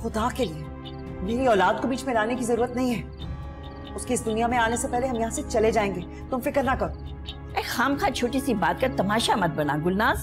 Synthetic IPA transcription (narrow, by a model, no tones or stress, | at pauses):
xʊd̪akelie | meːɾiɔːlaːd̪̚kobʱiːt͡ʃmẽlaːnekizɐɾuːɾət̪nɐɦĩɦɛː | ʊskeɪsd̪ʊnijamẽaːnesepɛɦleɦɐmjɐɦãset͡ʃɐled͡ʒaːẽːŋɡeː | t̪ʊmfɪkəɾnakɐɾo | ɛːxaːmkʰãːt͡ʃʰoːʈisibaːt̪̚kɐt̪ɐmaːʃamɐd̪̚bɐnaɡʊlnaːz